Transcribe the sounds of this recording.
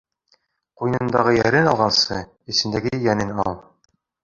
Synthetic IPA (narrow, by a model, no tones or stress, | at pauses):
qujnɤ̆nd̪ɑʁɤjæɾɘnɑlˠʁɑnsɤ | ɘ̆sɘ̆nd̪æɡɘɘjænɘnɑlˠ